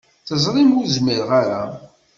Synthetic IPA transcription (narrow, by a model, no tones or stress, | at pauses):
θəzˤɾˤimuɾzmiɾʁaɾa